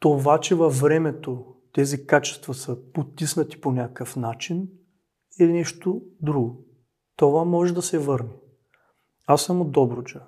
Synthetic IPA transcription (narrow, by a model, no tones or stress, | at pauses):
t̪ovat͡ʃɛvɐfvɾɛmɛt̪ot̪ɛzikat͡ʃɛ̥st̪vɐsəpot̪isnət̪i̥ponʲakəfnat͡ʃin | ɛnɛʃt̪od̪ɾuɡo | t̪ovamɔʒɛd̪ɐsɛvɤɾnɛ | asːamod̪ɔbɾʊt͡ʃa